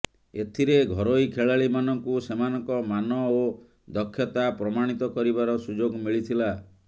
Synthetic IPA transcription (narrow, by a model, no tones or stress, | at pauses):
et̪ʰiɾeɡʱɔɾojkʰeɭaɭimanɔŋkusemanɔŋkɔmanɔo | d̪ɔkʰːjɔt̪apɾɔmaɽ̃it̪ɔkɔɾibaɾɔsud͡ʒoɡmiɭit̪ʰila